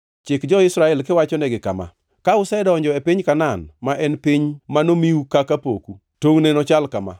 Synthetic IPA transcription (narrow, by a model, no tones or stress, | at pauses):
t͡ʃɪkd͡ʒɔɪsɾaɛlkɪwat͡ʃɔnɛɡɪkama̰ | kaʊsɛdɔɲd͡ʒɔepiɲkananmaʔɛnpiɲmanomiukakapo̰ku | toŋnɛnɔt͡ʃalkama̰